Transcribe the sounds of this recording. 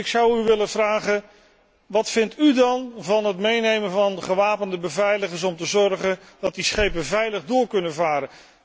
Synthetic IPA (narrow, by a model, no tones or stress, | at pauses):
ɪksʌwyʋɪləvraːχən | ʋɑtfɪntydɑnvɑnɦətmejnejməvɑnχəʋaːpəndəbəvɛjləχəɹs̬ɔmtəzɔrχən | d̥ɑt̚disχejpəvɛjləχdʊːɹkɵnənvaːɾən